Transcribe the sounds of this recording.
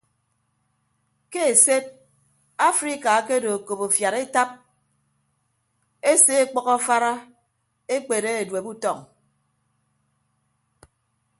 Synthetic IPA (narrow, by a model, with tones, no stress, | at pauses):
ke˦e˨se˦t̚ | a˦fɾi˦ka˨˦ke˦do˨e˨ko˨po˨fja˨ɾe˦ta˦p̚ | e˦se˦e˦k͡pɔ˦ɣɔ˦fa˦ɾa˦ | e˦k͡pe˨ɾe˦e˨dwe˨bu˦tɔ˨ŋ